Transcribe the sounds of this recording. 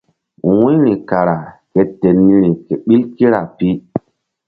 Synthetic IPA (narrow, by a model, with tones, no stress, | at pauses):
wũ˦ɾi˨ka˨ɾa˨ke˨te˨nːi˦ɾi˨ke˨ɓi˦lki˦ɾa˨pi˦